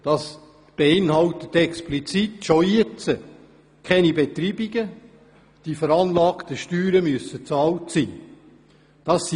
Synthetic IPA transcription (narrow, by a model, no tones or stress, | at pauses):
d̥ɑs | b̥eɪnhɑltət̪ɛksplit͡sitʃoet͡sə | kʰɛnibet̪ɾiːbiɡ̥ə | d̥ifəɾɑnlɑːktəʃtyːɾəmyəsət͡sɑːltsiː | d̥ɑs